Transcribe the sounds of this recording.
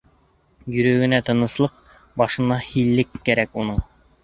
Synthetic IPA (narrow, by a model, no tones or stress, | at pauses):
jɵ̆ɾɵ̆ɡɘ̆næt̪ɤ̆nɤ̆slˠɤq | bɑʃɤ̆nɑhilːɘkːæɾækunɤɴ